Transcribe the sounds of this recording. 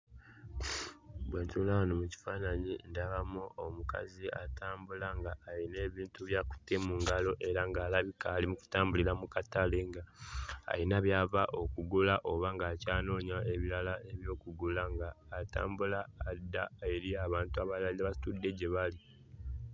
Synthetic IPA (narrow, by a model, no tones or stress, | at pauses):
bweːntulanomuci̥faːnaɲindaβamuomuka̰ziataːmbulaŋɡaːine̞ːβiːntuβjaːku̥tːemuːŋɡalo̞ʔe̞ɾaŋɡaːlaβikaːlimuku̥taːmbuliɾamukatale̞ŋɡaa̰inaβjaːvaʔo̞kuɡulaʔo̞βaŋɡaːcaːno̞ːɲaeβiɾalae̞βjo̞ːkuɡulaŋɡaːta̰ːmbulaːdːaeɾiaβaːntuaβalaiaβasi̥tudːe̞ɟe̞βali